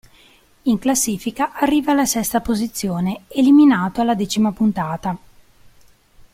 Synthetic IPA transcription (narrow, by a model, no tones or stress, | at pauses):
iŋklasːiːfikaʔarːiːvaːlasɛst̪apozit̪sːjoːneeliminaːt̪oalːad̪ɛːt͡ʃimapunt̪aːt̪a